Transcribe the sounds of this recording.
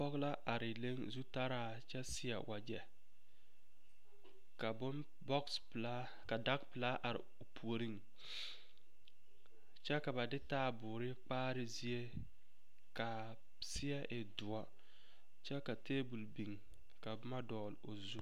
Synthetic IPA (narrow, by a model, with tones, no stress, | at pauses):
ɔ˦ɣla˦ʔa˨ɾɪ˨le˦ŋzu˦ta˦ɾaː˦˨ | t͡ʃɛ˦sɪ˦a̰˨wʔa˨d͡ʒɛ˨ | ka˨bʊ˦n | bɔ˦kspla˦ | ka˨da˦k̚pɪ˨laː˦ʔa˨ɾɪ̰˨ʊ˨pʰu˨o˨ɾi˦ŋ | t͡ʃɛ˦ka˨ba˨dɪ˦taː˦˨bʊː˨ɾɪ˦k͡paː˦ɾɪ˦zi˦e˦ | ka˨ | sɪ˦a˦ʔɪ˨dʊ˨a˦ | t͡ʃɛ˦ka˨teː˦bu˨lbi˨ŋ | ka˨bʊ˦ma˦dɔː˨lo̰˨zu˦